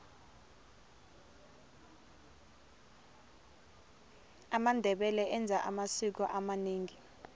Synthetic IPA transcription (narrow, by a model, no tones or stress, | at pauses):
amandʱɛɓɛlɛʔɛnd͡zʱaʔamasik̬ɔʔamaneːŋi